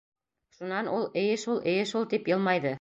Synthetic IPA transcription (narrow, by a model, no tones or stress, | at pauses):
ʃunɑnulˠɘ̆jɘʃulˠɘ̆jɘʃulˠt̪ipjɤlˠmɑjðɤ